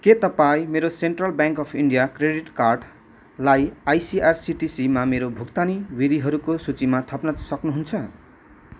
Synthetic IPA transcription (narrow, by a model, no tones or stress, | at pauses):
ket̪ʌpaĩmeɾoseɳʈrʌlbjãŋkʌpʰiɳɖijakreɽiʈkarɖ | lajajsiarsiʈisimameɾobʱukt̪aniwiɾiɦʌɾukosut͡simat̪ʰʌpnʌsʌknuɦunt͡sʰʌ